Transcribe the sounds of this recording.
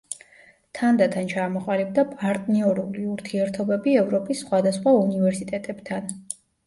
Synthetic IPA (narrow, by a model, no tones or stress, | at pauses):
t̪ʰand̪at̪ʰant͡ʃʰamɔqʼalib̚d̪apʼaɾt̪ʼniɔɾuliuɾt̪ʰiɛɾt̪ʰɔbɛbiɛvɾɔpʼisːχwad̪asχwaunivɛɾsit̪ʼɛt̪ʼɛb̥t̪ʰan